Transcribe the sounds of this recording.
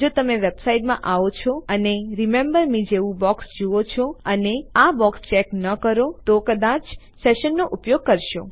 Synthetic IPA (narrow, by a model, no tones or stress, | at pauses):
d͡ʒot̪əmeʋebsaiʈmã̰ʔaʋot͡ʃʰɔəneɾimẽmbəɾmid͡ʒeʋũbɔksd͡ʒuʋot͡ʃʰoəneabɔkst͡ʃɛknəkəɾot̪okəd̪at͡ʃ | seʃənːoʔupjoɡ̚kəɾʃo̰